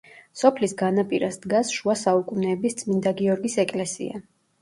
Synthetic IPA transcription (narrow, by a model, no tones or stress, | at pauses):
sɔpʰlisɡanapʼiɾasd̪ɡasʃuasaukʼunɛːbist̪sʼmind̪aɡiɔɾɡisɛkʼlɛsḭa̰